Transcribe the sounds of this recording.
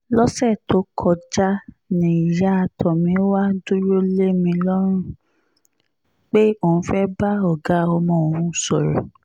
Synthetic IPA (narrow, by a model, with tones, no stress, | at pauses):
lɔ˦sɛ˦˨to˨˦kʰɔ˧d͡ʒa˦ | nĩ˨i˨ja˦a˧tʰɔ˨mĩ˧˦wa˦du˦ɾo˦le˦mĩ˧lɔ˦ɾ̃ũ˦˨ | k͡pe˦o˦˨ũ˧fɛ˦ba˦ɔ˦˨ɡa˨˦ɔ˧mɔ̃˧˨o˨ũ˦sɔ˨ɾɔ̰˨